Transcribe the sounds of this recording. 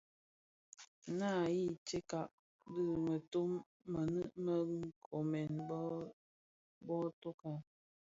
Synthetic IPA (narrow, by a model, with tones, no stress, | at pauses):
na˦˨ji˦t͡ʃe˦ka˨ʔ | dɨ˦mə˨to˦mː | ə˨nɨ˦ʔmə˦ŋ̩˦kʰo˨mɛ˨nb | bɔ˦to˦ka˨